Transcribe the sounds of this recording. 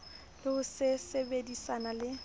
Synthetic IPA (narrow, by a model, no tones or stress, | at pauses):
lɪʊsɪsebedisanalɪ